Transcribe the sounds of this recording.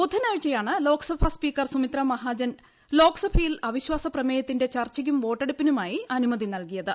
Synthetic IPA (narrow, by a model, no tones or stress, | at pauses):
pud̪ʰʱːɐnaːɻt͡ɕːɐjaːɳɨlo̞ːksɐpʰɐspiːkːɐrsumit̪rɐmɐɦaːd͡ʑɐn | lo̞ːksɐpʰɐjilɐʋiɕwaːsɐprɐmejɐt̪ːinde̞t͡ɕɐrt͡ɕɐɣumʋo̞ːʈːeɽupːinumaːjiɐnumɐðinɐlkijɐðɨ